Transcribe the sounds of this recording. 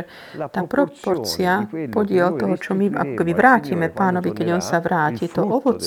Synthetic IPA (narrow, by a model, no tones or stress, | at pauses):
t̪aːpɾɔpɔɾt͡siapɔɟɪɛlt̪ɔɦɔt͡ʃɔmia̰kɔ̥kɛbiʋɾaːciːmɛpaːnɔʋikɛɟɔnsaʋɾaːcit̪ɔʔɔʋɔt͡s